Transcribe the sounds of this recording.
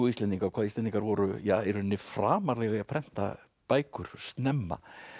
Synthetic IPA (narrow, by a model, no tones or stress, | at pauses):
uist̪lɛnt̪iŋkaɾɔkʰvaːðisɛniŋkaɾvɔɾʏjaːɛɾʏnːɪfɾaːmaɾlɛɣaiapʰɾɛn̥t̪a̰ | paːjkʏɾ̥st̪nɛmːa̰